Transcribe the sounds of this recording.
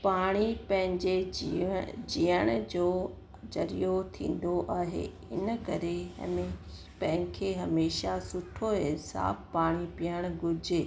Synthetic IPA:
paːɽ̃ipɐ̃ɦɪ̃ɲd͡ʑe | d͡ʑiːəɽ̃d͡ʑoː | d͡ʑɐɾijot̪ʰḭ̃ːn̆d̪oʔaːɦḛː | ɪ̰nə̆kɐɾe | pɐ̃ɦɪ̃kʰeːɦɐmeːʃasʊʈʰoensa̰ːfpaːɽ̃ipijəɽ̃ɡʱʊd͡ʑɪ

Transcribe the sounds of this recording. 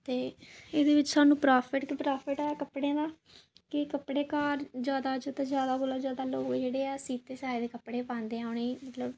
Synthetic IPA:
t̪eːeːd̪eːʋɪt͡ʃsaːnũːpɾaːpʰɪʈkɪpɾaːpʰɪʈɛːkəpɽẽːd̪aː | kɪkəpɽeːkaːɾd͡ʒjaːd̪aːd͡ʒot̪ãzjaːd̪aːboːlaːd͡ʒjaːd̪aːloːkd͡ʒeːɽeːɛːsiːt̪eːsaːid̪eːkəpɽeːpãːnd̪eːaːʊɳeːmət̪ləb

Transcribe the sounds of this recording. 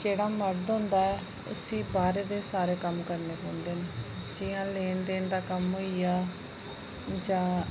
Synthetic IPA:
d͡ʒeːɽaːməɽd̪õːnd̪aːɛː | ʊ̰sĩːbaːɾeːd̪eːsaːɾeːkəmkəɾneːpõːnd̪eːned͡ʒɪjãːleːnd̪eːnd̪aːkəmɦoːijaː | d͡ʒãː

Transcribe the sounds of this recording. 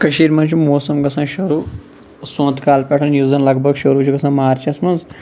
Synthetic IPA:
kɐʃiːɾmɐ̃nt͡ʃʰumoːsɐmɡɐsãːʃɐɾuː | sõːnt̪ʰkaːlpʲeʈʰɐ̃njuzɐnlɐɡbʱɐɡʃɐɾuːt͡ʃʰuɡɐsãːmaːɾt͡ʃʰiɐsmɐ̃nz

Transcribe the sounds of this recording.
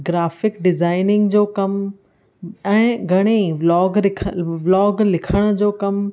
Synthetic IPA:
ɡɾaːfɪkɖɪzaːɪnɪ̃ŋɡd͡ʑoːkɐm | ɛ̃ːɡʱɐɽ̃elɔːɡɾɪkʰʋlɔːɡlɪkʰəɽ̃ə̆d͡ʑoːkɐm

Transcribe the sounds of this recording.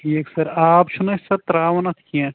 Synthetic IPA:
ʈʰiːksɐɾaːpʃʰʊnɐsɐt̪ɾaːʋɐnɐt̪ʰkiɛ̃

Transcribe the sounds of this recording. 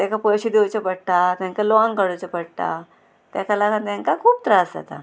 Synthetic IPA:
t̪jãkapəɕid̪ewt͡ɕepəɽʈ̪at̪jãŋkaloãŋkəɽot͡ɕepəɽt̪a̰ | t̪jakalakat̪jãŋkakʰuːp̚t̪ɾasa̰t̪a̰

